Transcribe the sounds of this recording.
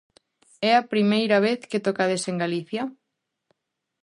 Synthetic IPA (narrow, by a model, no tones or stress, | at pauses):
ɛɐpɾimejɾɐβ̞eθket̪okaðeseŋɡaliθjɐ